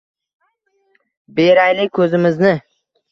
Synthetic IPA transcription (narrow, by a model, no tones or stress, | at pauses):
beɾajlɪkʰɵzɪmɪznɪ